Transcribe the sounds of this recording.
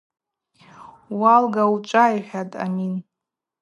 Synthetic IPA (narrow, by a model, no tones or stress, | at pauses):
walɡawut͡ʃʷʼajħʷᶣatʼa̰min